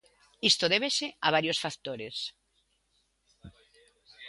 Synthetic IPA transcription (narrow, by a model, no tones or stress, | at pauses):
ist̪oðeβeseaβ̞aɾjosfakt̪oɾes